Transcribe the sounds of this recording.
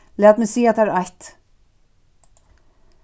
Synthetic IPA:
laːt̪mɪsiːat̪ʰːaɾajt̪

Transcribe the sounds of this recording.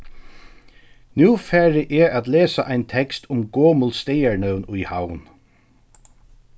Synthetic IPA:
njuːfæːɹɪʔɛat̪leːsaʔajnt̪ʰɛkst̪ʰʊmɡoːmʊlst̪ejaɹnœwnʊjhawn

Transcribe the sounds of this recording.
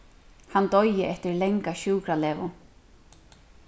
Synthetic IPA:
hant̪ɔjɪʔɛft̪ɪɾlɛŋkaɕuːkɾalɛːvʊ̰

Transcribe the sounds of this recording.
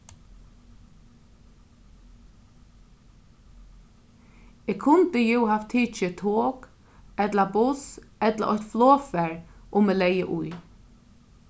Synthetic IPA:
ɪːkʰʊnt̪ɪjɛwhaft̪ʰiːt͡ʃɪt̪ʰoːk | ɛt̪labʊsɛt̪la̰ʔɔht̪floːfɛɹʊmeːlɛjəʔʊj

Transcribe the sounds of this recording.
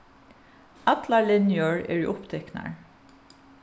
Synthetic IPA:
ɑt̪lalɪnjəɹḛːɹḭːʔʊpt̪ʰɛkna̰ɹ

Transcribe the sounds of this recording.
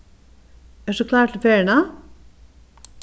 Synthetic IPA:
æːʂʉkʰlɑːʈʰl̩feːɳɑ

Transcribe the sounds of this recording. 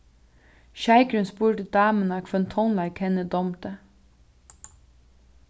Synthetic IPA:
ʃæɪkɾʉnspuːʈəd̪̥ɑːmənɑːkʰʋœnt̪ʰɔnlɑɪkʰɛnəd̪ɔmt̪ə

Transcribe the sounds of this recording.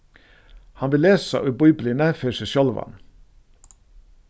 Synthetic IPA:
hɑnʋɪleːsɑ̰ʔʉbuʏblɪnəføʃəʃɔlʋɑ̰n

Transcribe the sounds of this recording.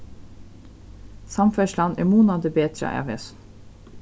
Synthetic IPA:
sɑmfœʃlɑnɛ̰ːmuːnɑd̪ebeːt̪ɾɑ̰ʔæ̰ːʋesn

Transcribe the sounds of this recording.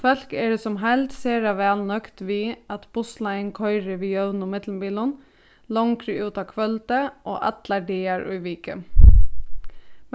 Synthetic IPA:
fœlkɛɖɛsɔmɦæɪlt̪seːɾɑʋæːlnœkt̪ʋiːɑt̪b̥ʊslɑɪnkʰɔʏɾəʋiːjœʋnʊmɪd̪lmbiːlʊn | lɔŋkɾəʉːt̪ɑːkʰʋœlt̪əʔo̰ːʔɑ̰t̪lɑɖeːɑɾœ̰ʏʋiːkə

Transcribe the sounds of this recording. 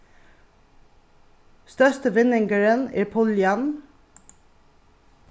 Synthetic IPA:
st̪œstəʋɪnɪŋɡəɹənḛːpʰʊljɑn

